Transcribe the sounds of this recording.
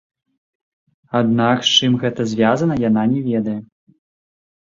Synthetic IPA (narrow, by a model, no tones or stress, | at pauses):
ad̪nakst͡ʂɨmɣɛt̪ɐzʲvʲazɐnɐjananʲɛvʲɛd̪ɐjɛ